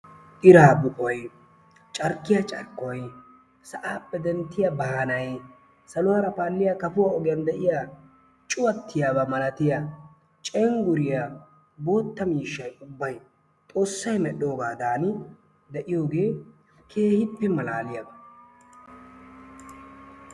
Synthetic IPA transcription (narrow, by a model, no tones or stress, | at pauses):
ʔɪɾaːbʊkʼɔj | t͡ʃʼɐɾkːɪjɐt͡ʃʼɐ̰ɾkːɔj | sɐʔaːpʼːɛd̪ɛnt̪ːɪjabɐhɐnɐj | sɐlʊwaːɾɐpaːlːɪjakɐfʊwaːɔɡɪjɐnd̪ɛʔɪja | t͡ʃʼʊwɐt̪ːɪjaːbɐmɐlɐt̪ɪja | t͡ʃʼɛŋɡʊɾɪja | bo̞ːt̪ːɐmiːʃːɐjʊbːɐj | t̪ʼo̞ːsːɐjmɛɗːo̞ːɡaːd̪aːn | d̪ɛʔɪjo̞ːɡe̞ː | kʰe̞ːhɪpːɛmɐlaːlɪjɐb